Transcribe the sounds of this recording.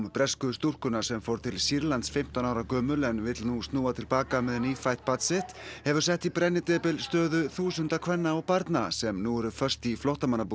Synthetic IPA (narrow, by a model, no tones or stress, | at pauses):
mpɾɛskʏst̪ur̥kʏnasɛmfowɾ̥t̪ʰɪlsiɾlant̪sfɪm̥t̪anaːwɾakœːmʏlɛnvɪt̪lnust̪nuːat̪ʰɪlpaːkamɛðniːfajht̪̚pat̪sɪht̪hɛvʏɾ̥sɛht̪ipɾɛnːɪt̪ɛːpɪlst̪œːðʏθuːsʏnt̪akʰvɛnːaɔwpaɾt̪nasɛmnuɛɾʏfœr̥st̪iflowht̪amanːapuː